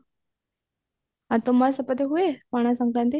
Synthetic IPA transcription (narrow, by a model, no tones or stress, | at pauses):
ãt̪omaɾsəpət̪eɦuemaɽ̃ãsə̃ŋɡlãnt̪i